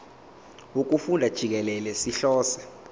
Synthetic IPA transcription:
uk̬ufundʱad̥ʒ̥ʱik̬ɛlɛlɛsiɬɔːsḁ

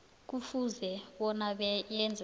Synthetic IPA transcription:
k̬ufuzɛɓɔnaɓɛjɛnd͡zʱ

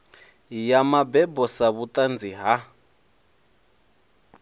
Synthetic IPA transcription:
jamabɛbɔsaβutʼand͡ziɦa

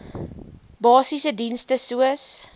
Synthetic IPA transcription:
bɑːsisədinstəsuəs

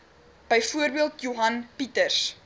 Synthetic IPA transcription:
b̥əjfuərbiəlˠtjuɦɐnpitərs

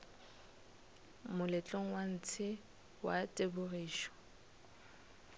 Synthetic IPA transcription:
mʊlɛt͡ɬʼoŋ̩wan̩t͡sʰɪ | watʼebʊriːʃɔ̥

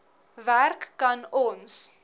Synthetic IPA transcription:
værkːɐnɔns

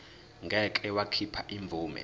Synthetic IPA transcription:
ŋɡʱɛkʼɛwakʰipʰaʔiɱb̪vʱuːmɛ̰

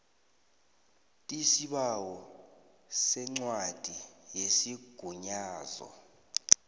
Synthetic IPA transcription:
tʼisiɓawɔ | sɛŋ͡ǀwad̥ʱijesiɡ̥ʱuɲaːzɔ̰

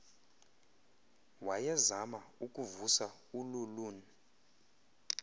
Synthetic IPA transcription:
wajɛzamaukʼuvusa | ululuːni

